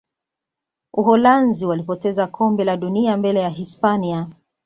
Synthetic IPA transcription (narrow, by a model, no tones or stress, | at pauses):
uɦɔlanziwalipɔtɛzakʰɔmbɛlaɗuniambɛlɛjaɦispania